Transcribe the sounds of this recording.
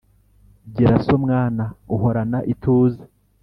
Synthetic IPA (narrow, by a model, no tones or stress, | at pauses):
ɟeɾasomŋaːnauɦo̞ɾanaʔituːze